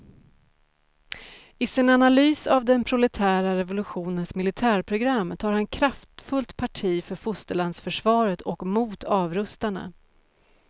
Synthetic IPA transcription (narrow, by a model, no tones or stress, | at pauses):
ɪsɪnanalyːsavd̪ɛnpʰɾʊlɛt̪ʰæːɾaɾɛvʊlɵɧuːnənsmɪlɪt̪ʰæːɾpʰɾʊɡɾamːt̪ʰɑːɾhankʰɾaft̪fɵlt̪pʰaʈʰiːfœɾfʊst̪əɭand̪sfœʂvɑːɾət̪ɔkmuːt̪ʰɑːvɾɵst̪anə̰